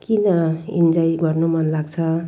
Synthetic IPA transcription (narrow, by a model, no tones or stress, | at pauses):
kinʌḭnd͡zajɡʌrnumʌnlaɡt͡sʰʌ